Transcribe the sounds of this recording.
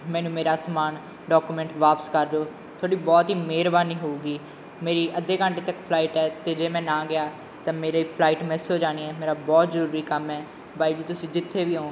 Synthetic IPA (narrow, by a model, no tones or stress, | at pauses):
mɛ̃ːnũːmeːɾaːsmaːn | ɖɔːkuːmɛ̃ɳʈʋaːpəskəɾd͡ʒoː | t̪ʰoːɽiːbɔːt̪ɦiːmeːɾbaːniːɦoːuːɡiː | meːɾiːʔəd̪eːkəɳʈeːt̪əkpʰlaːiːʈɛːt̪eːd͡ʒeːmɛ̃ːnãːɡɪaː | t̪ãːmeːɾaiːpʰlaːiːʈmɛ̃ːsoːd͡ʒaːñiːɛːmeːɾaːbɔːt̪zəɾuːɾiːkəmɛː | baːiːd͡ʒiːt̪ʊsĩːd͡ʒɪt̪ʰːeːʋiːɦoː